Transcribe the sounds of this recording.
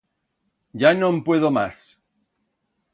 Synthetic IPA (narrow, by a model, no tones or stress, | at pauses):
ɟ͡ʝanõmpwe̞ðomas